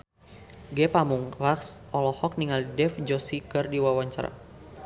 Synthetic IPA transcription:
ɡɛpamuŋlaksʔɔlɔhɔk̚niŋalidɛfd͡ʒɔsikɨrdiwawaɲt͡ʃaɾa̰

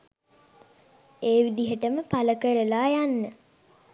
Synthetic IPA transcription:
eːʋid̪iɦəʈəməpaləkəɾəlaːjanːə

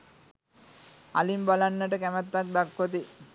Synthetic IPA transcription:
a̰limbalanːəʈəkæmɛt̪ːak̚d̪akːot̪̬i

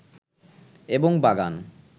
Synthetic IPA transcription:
eboŋbaɡan

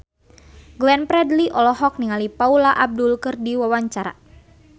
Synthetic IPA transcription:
ɡlɛnpɾɛdliʔɔlɔɦɔk̚niŋalipaulaʔab̚dulkɨrdiwawaɲt͡ʃaɾa̰

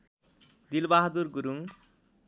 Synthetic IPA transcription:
d̪ilbaɦd̪uɾɡuɾuŋ

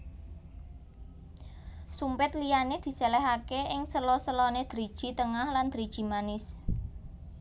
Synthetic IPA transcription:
sumpɪt̪lijaned̪̥i̤selɛɦakeɪŋsəlɔsəlɔned̪̥ɾid̥ʒ̥i̤t̪əŋahland̪̥ɾid̥ʒ̥i̤manɪs

